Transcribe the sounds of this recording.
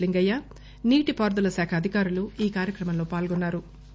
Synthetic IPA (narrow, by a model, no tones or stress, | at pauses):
liŋɡɐjːa | niːʈipaːɾd̪ulɐsaːkʰɐɐd̪ʱikaːɾuluiːkaːɾjɐkɾɐmɐnlo̞ːpaːlɡonːaːɾu